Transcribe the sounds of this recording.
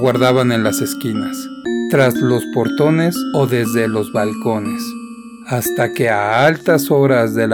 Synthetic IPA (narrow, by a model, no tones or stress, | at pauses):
waɾðaβane̞nlase̞skinast̪ɾazlo̞spo̞ɾt̪o̞ne̞so̞ðe̞zðe̞lo̞zβalko̞ne̞s | ast̪ake̞aalt̪aso̞ɾazðe̞l